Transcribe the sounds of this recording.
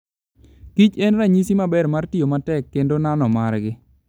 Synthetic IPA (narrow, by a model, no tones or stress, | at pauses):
kit͡ʃɛnɾaɲisimabɛrmartijomatɛkːendonanɔmarɡɪ